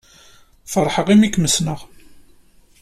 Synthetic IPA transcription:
fəɾˤħəʁimikməsnəʁ

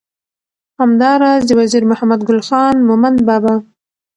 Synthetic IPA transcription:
hamd̪ɑɾɑzd̪əwaziɾmʊhamad̪ɡʊlxɑnmʊmand̪bɑba

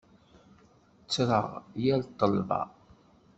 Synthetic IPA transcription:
t͡sːɾˤə̰ʁjælt̪ˤːəlvɑ̰

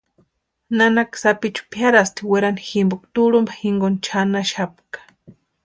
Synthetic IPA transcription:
nanaksapit͡ʃu̥pjaɾast̪iweɾaniximbokt̪uɾumbḁxiŋɡont͡ʃʰanaʃap̚kḁ

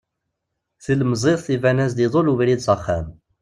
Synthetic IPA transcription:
θəlmzˤeðˤθivænæs̬d̪iðˤoluvɾid̪səχːæ̰m

